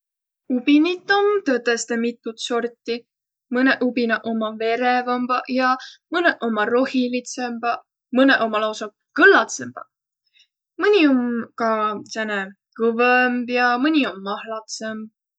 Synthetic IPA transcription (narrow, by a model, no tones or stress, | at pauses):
ubinit̪ːˑo̞mt̪øt̪ːest̪emit̪ˑːut̪so̞rt̪ːi | mɤneʔubinɑʔo̞mɑve̞ɾevɑmb̥ɑjɑmɯneʔo̞mɑro̞hilit̪semb̥ɑ | mɤneʔo̞mɑlɑwsɑ | kɤlːɑt̪semb̥ɑ | mɯnʲio̞mkɑsene | kɤvəmbjɑmɯnʲio̞mːɑhlɑt̪semb̚